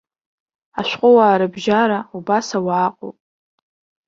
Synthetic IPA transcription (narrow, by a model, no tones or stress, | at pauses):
aʃʷᶣqʷʼʊwaːɾɨbʒaɾaubasawaːqʼo̰pʼ